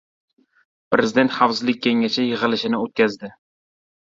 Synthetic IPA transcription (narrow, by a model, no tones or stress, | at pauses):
pɾezɪd̪e̞nt̪χawsɪlɪk̚ʲʰːeŋat͡ʃʰajɨʁɨlɪʃɪnɪot̪̚kʲʰazd̪ɪ